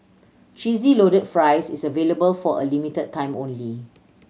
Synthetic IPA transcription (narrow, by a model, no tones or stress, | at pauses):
t͡ʃizilodəd̚fɹajsisəveləbəlfɔə̰limitəd̚tʰːãɪ̃mõnli